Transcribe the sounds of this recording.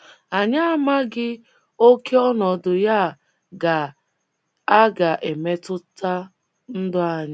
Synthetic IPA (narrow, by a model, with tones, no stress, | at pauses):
a˨ɲa˦a˨ma˦ɡɪ˦ | o˦kʰe˦ɔ˦nɔ˨dʊ˨ja˦˨ | ɡa˨ | a˦ɡa˨ʔe˨me˦tʊ˦ta˦ | n̩˦dʊ˦a˨ɲa˦